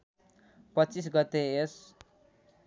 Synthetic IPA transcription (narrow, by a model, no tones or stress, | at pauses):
pʌtːt͡sis̬ɡʌt̪ees